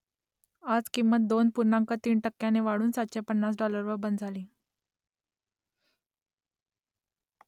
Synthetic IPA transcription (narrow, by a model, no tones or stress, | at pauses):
ad͡zkimːət̪̚d̪onpuɾɳãŋkət̪iːɳʈəkːjaneʋaɽuːnsat̪̚t͡ɕepənːasɖɔləɾʋəɾbənd̪d͡zʱaliː